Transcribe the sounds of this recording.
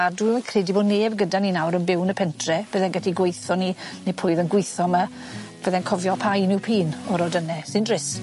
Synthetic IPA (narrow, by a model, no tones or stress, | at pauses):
aduakʰreːdiboːdneːbɡədaninawɾənbɪwnəpʰɛntʰrɛb̥əðɛnɡədiɡwejθɔninepʰʊɨðənɡwɪjθɔma | b̥əðɛnkʰɔvjɔpʰajnɪwpʰiːnɔɾɔdənɛsɪndrɪs